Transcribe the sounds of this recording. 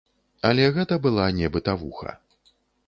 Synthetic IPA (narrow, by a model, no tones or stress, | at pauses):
ɐlʲɛɣɛt̪ɐbɨlˠanʲɛbɨt̪ɐvuxɐ̰